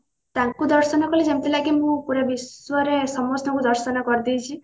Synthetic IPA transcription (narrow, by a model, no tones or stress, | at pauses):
t̪aŋkud̪ɔɾsɔnɔkɔlid͡ʒemt̪ilaɡimũpuɾebiswɔɾesɔmɔsnɔŋkud̪ɔɾsɔnɔkɔɾid̪ijt͡ʃʰi